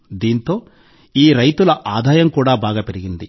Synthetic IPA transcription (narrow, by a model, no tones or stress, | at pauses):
d̪iːnt̪o̞ː | iːɾɐjt̪ulɐʔaːd̪ʱaːjɐmkuːɽaːbaːɡaːpe̞ɾiɡind̪i